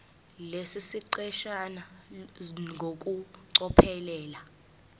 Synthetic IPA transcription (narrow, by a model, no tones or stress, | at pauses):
lesisiǀɛʃana | ŋɡʱok̬ʼuǀɔpʰɛlɛːla